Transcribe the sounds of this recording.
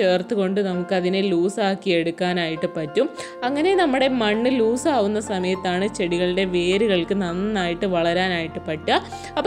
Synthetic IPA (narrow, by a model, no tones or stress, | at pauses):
e̞ːrt̪ːuɣo̞ɳɖɨnɐmukːɨɐðineluːsaːkːije̞ɽukːaːnaːjiʈːɨpɐtːum | ɐŋːɐne̞nɐmːuɽe̞mɐɳːɨluːsaːʋunːɐsɐmɐjɐt̪ːaːɳɨt͡ɕe̞ɽiɣɐɭiɖe̞ʋe̞ːɾuɣɐɭkɨnɐnːaːjiʈːɨʋɐɭɐɾaːnaːjiʈːɨpɐʈːɐ | ɐpː